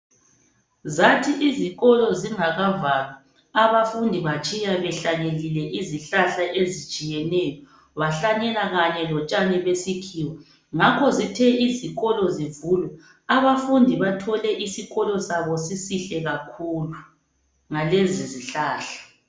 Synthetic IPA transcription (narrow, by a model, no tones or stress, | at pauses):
zatʰiʔiziɣɔlɔziŋaɣavalɔ | aβafundʱiβat͡ʃʼijaβɛɬaɲelilɛʔiziɬaɬaʔezit͡ʃʼijɛnɛjɔ | βaɬaɲɛlaɣaɲɛlɔt͡ʃʼanɛβesikʰiːwɔ | ŋakʰɔzitʰɛiziɣɔlɔzivulɛ | aβafundʱiβatʰɔlɛʔisiɣɔlɔsaβɔsisiɬɛɣakʰulu | ŋaleziziɬaːɬḁ